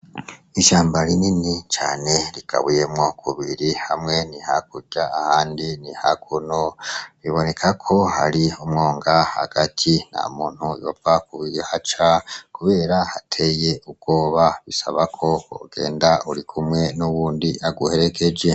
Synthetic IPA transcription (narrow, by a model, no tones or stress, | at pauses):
iʃaːmbaɾininit͡ʃa̰ːne̞ɾika̰βuje̞mŋo̞kʰuβiɾihamŋe̞nihak̚uɟaːhaːndinihakʰunoɾiβo̞ne̞kʰakʰo̞ha̰ɾiumŋoːŋɡaha̰ɡ̥atʰina̰muːn̥hujovakuβiɾihat͡ʃakuβe̞ːɾahatʰe̞jeub̚ɡ̥o̞ːβaβisa̰βakʰo̞o̰ɡe̞̰ːndauɾikʰumŋe̞nuβuːndiʔaɡuhe̞ɾe̞ke̞d͡ʒe̞